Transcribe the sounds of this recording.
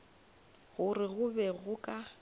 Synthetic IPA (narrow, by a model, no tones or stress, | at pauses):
ɣʊrɪɣʊbɛɣʊkʼa